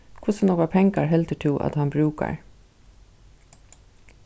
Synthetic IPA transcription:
kʰʊsənoːkapʰɛŋkaɹɦɛlt̪əʈʰɪʔɑ̰t̪hɑnbɾʉːka̰ɹ

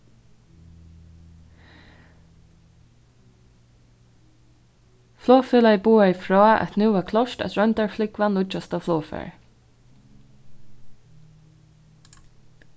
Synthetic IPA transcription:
flɔːfɛlaɪbuːajfɹɔːæ̰t̪nuːʋaːkʰlɔʃtæ̰t̪ɹœnt̪aɹflɪkʋanlʊd͡ʒast̪aflɔːfɛ̰ɹ

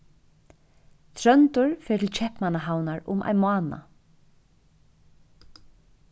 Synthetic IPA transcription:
t̪ʰɾœnt̪ʊɹfɛ̥ːt̪ʰɪlt͡ɕʰɛhpmanaɦawnaɹʊmʔa̰jnmaːna̰

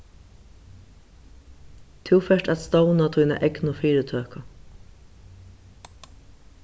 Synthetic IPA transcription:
t̪ʰɪwfɛʂʈæt̪st̪ownat̪ʰujna̰ʔɛknʊfiːɾɪt̪ʰøːka

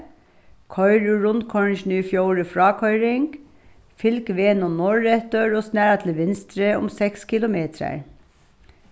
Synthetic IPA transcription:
kʰœʏɹʉɹʊnkʰɔɹnʃnyːfjoʊɹəfɹɑːkʰœʏɾɪŋɡ | fɪlkʋeːnoːnɔɹɛt̪øɹosnæːɹɑt̪ʰl̩ʋɪnst̪ɾeːʊ̰msɛkskʰɪlʊmeːt̪ʰɾæ̰ɹ

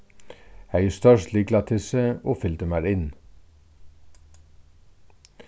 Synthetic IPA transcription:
æːjuːst̪œʃtliːɡlɑt̪ʰɪsəoːfʏld̪əmæːɾɪn

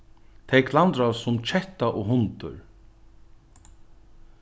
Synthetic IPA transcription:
t̪ʰɛjkʰlant̪ɾasʊmt͡ʃʰɛht̪aʔɔɣɦʊnt̪ʏ̰ɹ

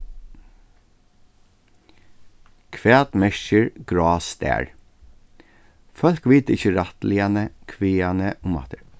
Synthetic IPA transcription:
kʰʋæːt̪mɛʃəɹɡ̥ɹɑːst̪æ̰ːɹ | fœlkʋiːt̪əɪçəɾat̪lɪanəkʰʋiːanəʔʊmɑ̰t̪əɹ

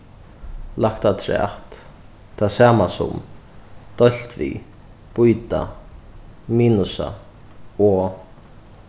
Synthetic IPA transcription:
lakt̪ʰat̪ʰɾɛ̰ht̪ | t̪ʰːasaːmasʊ̰m | d̪̥ɔl̥t̪vḭ | pujt̪a̰ | miːnʊsa̰ | ɔ

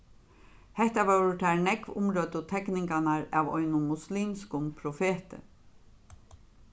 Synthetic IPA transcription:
hɛht̪aʋaɹʊt̪ʰæɹnɛkʋʊ̰mɾoːt̪ʊt̪ʰɛknɪŋkanaɹæːʋɔ̰ʏnʊmʊsliːmskʊmpʰɾʊfeːt̪ə̰

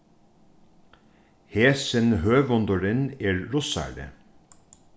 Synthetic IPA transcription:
heːsənhøːʋɔnd̪ɔɾɪneːɹɹʊsæ̰ːɖə̰

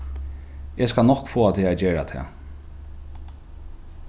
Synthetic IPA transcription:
eskalnɔhkfoːat̪ʰɪad͡ʒeːɹat̪ʰɛ̰ː

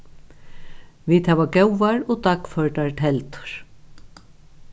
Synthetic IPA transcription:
ʋiːt̪hɛːʋaɡɛwaɹɔd̪akfœɹʈaɹt̪ʰɛlt̪ʊ̥ɹ̥

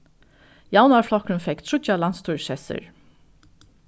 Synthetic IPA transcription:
jawnaɹflɔkɾɪnfɛkt̪ʰɹʊt̪alanst̪ʰuːɹʃɛsɪ̰ɹ

